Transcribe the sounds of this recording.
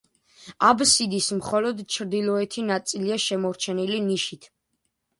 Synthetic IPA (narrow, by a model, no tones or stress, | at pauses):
absid̪ismχɔlɔd̪t͡ʃʰɾd̪ilˠɔɛt̪ʰinat̪sʼiliaʃɛmɔɾt͡ʃʰɛniliniʃit̪ʰ